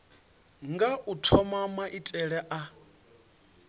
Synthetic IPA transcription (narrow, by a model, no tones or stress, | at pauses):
ŋɡaʔutʰɔmamaʔitʼɛɺɛʔa